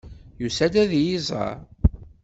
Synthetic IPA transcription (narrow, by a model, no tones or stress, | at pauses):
jusæd̪æðjizˤɑ̰ɾ